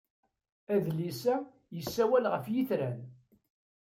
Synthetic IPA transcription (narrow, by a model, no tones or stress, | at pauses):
æðlisæ | jəsːæwælʁəfjiθɾæn